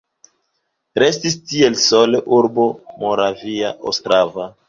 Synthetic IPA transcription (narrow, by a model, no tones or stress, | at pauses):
ɾe̞stistielsoleʔuɾbo̞moɾaviaʔo̰stɾava